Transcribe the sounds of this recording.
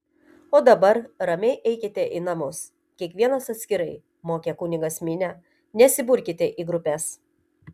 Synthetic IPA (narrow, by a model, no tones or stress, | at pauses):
oːd̪ɐbɐɾɾɐmʲɛɪʔɛɪkʲɪt̪ʲɛʔiːnɐmʊs | kʲiɛkʋʲiɛnɐsɐt̪ʲsʲkʲɪɾɐɪ | moːkʲɛkuːnʲɪɡɐsʲmʲɪnʲɛ | nʲɛsʲɪbʊɾʲkʲɪt̪ʲɛʔiːɡɾʊpʲɛs